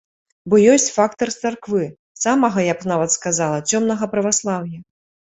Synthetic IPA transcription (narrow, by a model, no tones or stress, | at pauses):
bɔjɔsʲt͡sʲfakt̪ɐrt̪sarkvɨ | samɐɣɐjɐknavɐt̪skazalˠɐt͡sʲɔmn̪ɐɣɐpɾɐvaslˠawjɐ